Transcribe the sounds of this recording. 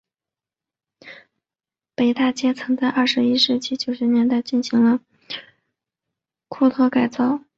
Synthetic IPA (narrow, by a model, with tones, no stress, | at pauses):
pe˨˩ɪt̪a˥˩t͡ɕjɛ˥t͡sʰɤ˧˥ŋt͡sa˥˧ɪʔɐ˥˩ʂɻ̩˧˥i˥ʂɻ̩˥˩t͡ɕi˥t͡ɕjo˨˩ʊʂɛ˧˥njɛ˧˥nt̪a˥˧ɪt͡ɕi˥˩nɕi˧˥ŋlə˧ | kʰu˥˧t̪ʰɤ˥˧ka˨˩ɪt͡sɑ˥˩ʊ